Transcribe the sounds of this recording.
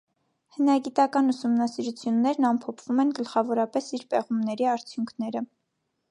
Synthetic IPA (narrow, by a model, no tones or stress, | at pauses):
hənɑɡit̪ɑkɑnusumnɑsiɾut͡sʰjunːɛɾnɑmpʰɔpʰv̥umɛnɡəlχɑvɔɾɑpɛsiɾpɛʁumnɛɾiɑɾt͡sʰjuŋkʰnɛɾə